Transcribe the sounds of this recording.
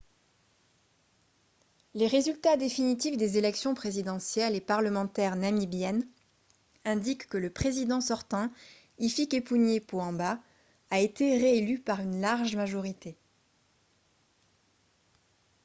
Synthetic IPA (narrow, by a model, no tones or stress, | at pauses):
leʁezylt̪ad̪efinit̪ifd̪ezelɛksjɔ̃pχezid̪ɑ̃sjɛlepaʁləmɑ̃t̪ɛʁnamibjɛn | ɛ̃d̪ikːələpχezid̪ɑ̃sɔʁt̪ɑ̃ | ifikepuɲjepoɑ̃baː | et̪eʁeelypaʁynlaʁʒmaʒɔʁit̪e